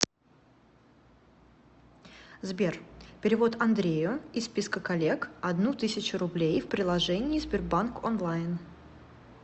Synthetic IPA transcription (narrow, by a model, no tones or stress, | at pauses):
zbʲerpʲɪɾʲɪvo̞t̪ɐnd̪ɾʲejʊɪspʲiskəkɐlʲe̞kɐd̪nut̪ɨsʲɪt͡ɕʊɾʊblʲejfpɾʲɪlˠɐʐɛnʲɪːzbʲɪrbankonlˠajn